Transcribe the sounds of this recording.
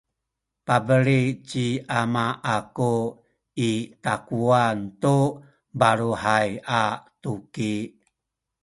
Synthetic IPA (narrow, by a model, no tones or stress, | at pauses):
pabəɾit͡ɕiamaʔaku | itakuantu | baɾuhajatuki